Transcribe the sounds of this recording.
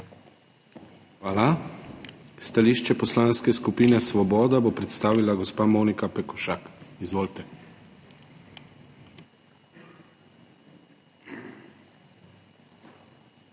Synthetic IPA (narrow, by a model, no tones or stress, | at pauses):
xʋaːla | st̪aliːʃt͡ʃɛpɔslanskɛskupiːnɛsʋɔbɔːd̪abopɾɛt̪st̪aːʋilaɡɔspamonikapɛkɔʃakizʋoːlt̪ɛ